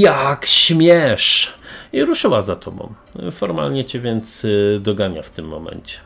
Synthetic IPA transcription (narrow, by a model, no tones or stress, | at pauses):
jakɕmʲjɛʂiɾuʂɘwazat̪ʰɔbɔ̰̃w̃ | fɔɾma̰lɲɛt͡ɕɛvʲjɛnt̪sd̪ɔɡaɲa̰ft̪ɘmːɔ̰mɛ̰nt͡ɕɛ̥